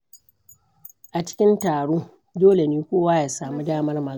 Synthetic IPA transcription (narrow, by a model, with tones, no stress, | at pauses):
ʔa˨t͡ʃɪ̥˦kʲɪ˦ntaː˨ɽoː˦ | doː˦le˨niː˦kʷoː˦waː˦jaː˦saː˨mu˦daː˦mɐ˦rma˨